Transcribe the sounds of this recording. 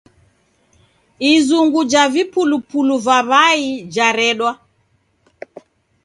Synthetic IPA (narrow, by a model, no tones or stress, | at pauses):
izuŋɡud͡ʒavipulupuluvaβaid͡ʒaɾɛɗwa